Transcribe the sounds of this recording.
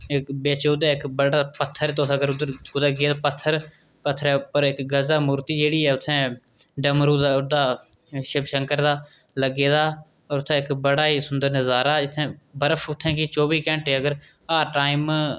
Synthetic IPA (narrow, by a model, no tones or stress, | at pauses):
ɪkbeːt͡ʃoːd̪ɛːɪkbəɽaːpət̪ʰːəɾːt̪oːɡəɾʊd̪əɡeːd̪aːpət̪ʰːəɾ | pət̪ʰːəɾɛːpəɾɪkɡəzaːmʊːɾt̪iːd͡ʒeːɽiːɛːʊt̪ʰːɛ̃ː | ɖəmɾuːd̪aʊd̪aː | ʃəbʃəŋkəɾd̪aː | ləɡeːd̪aː | oːɾʊt̪ʰːɛ̃ːɪkbəɽaːiːsʊnd̪əɾnəzaːɾaːd͡ʒɪt̪ʰːɛ̃ːbəɾəfʰʊt̪ʰːɛ̃ːkit͡ʃoːbiːkɛ̃ːɳʈeːəɡəɾ | aːʈaːɪm